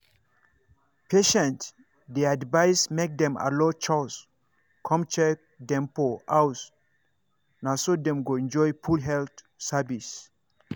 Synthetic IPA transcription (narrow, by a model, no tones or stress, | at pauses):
pʰeʃɛ̃nt | deadvaɪsmek̚dɛ̃ma̰lɔt͡ʃɔs | kʰɔ̃mt͡ʃɛk̚ | dɛ̃mpoaws | nasodɛ̃mɡoɛ̃nd͡ʒɔjfulɦɛlt | savis